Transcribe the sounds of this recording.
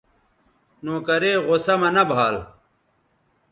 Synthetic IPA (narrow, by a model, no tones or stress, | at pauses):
nõːkɐɾeːɣosɐmɐnɐbʱaːl